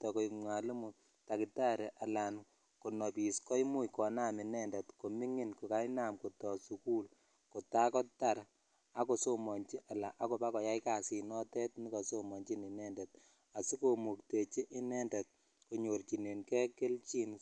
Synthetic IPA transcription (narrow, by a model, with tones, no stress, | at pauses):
tɔ˨ko˨ima˨li˦mu˨ | ta˨ki˨ta˦ɾe˨ʔa˨la˨n | ko˨nɔ˨pi˨skɔ˦jmu˦jkɔ˨na˦mɪ˨nɛ˦ndɛ˨tko˨mi˦ŋi˦nko˨ka˦jna˦mko˨tɔ˨su˨ku˦l | ko˨ta˦kɔ˦ta˦˨ɾ | a˦ko˨so˦mɔ˨nt͡ʃi˦ʔa˨la˨ʔa˦ko˨pa˦kɔ˨ja˦jka˨si˨nɔ˦tɛ˦t̚ni˦kɔ˨so˦mɔ˨nt͡ʃi˦ni˨nɛ˦ndɛ˨t̚ | a˨su˦ko˨mu˨k̚te˨t͡ʃi˦ʔɪ˦nɛ˦ndɛ˨t̚ | ko˨ɲo˨rt͡ʃi˨ne˨nkɛ˦ke˦lt͡ʃi˦n